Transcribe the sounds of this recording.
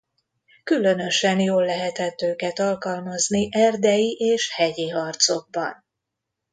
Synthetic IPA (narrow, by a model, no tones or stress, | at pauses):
kylø̞nø̞ʃɛnjoːlːɛɦɛt̪ɛt̪øːkɛt̪ɒlkɒlmɒzniʔɛrd̪ɛjiʔeːʃhɛɟiɦɒrt̪so̞ɡ̚bɒ̰n